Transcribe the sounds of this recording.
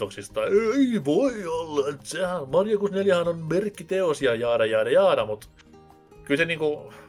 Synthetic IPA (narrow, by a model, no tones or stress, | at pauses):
oksist̪ɑeiʋoiolːɑet̪sehænmɑrjokusneljæhɑnonmerkːit̪eosiɑjɑːdɑjɑːdɑjɑːdɑmut̪ | kylseniːŋku